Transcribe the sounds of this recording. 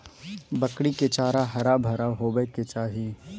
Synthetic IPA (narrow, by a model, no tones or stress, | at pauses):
bɐkɽikɪt͡ʃaːɾaɦɐɾaːbʱɐɾaɦoːbəjket͡ʃaːɦi